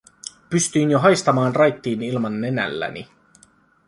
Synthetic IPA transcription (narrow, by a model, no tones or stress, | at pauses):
pyst̪yinjoɦɑjst̪ɑmɑːnrɑjt̪ːiːnilmɑnːenæ̰lːæ̰nḭ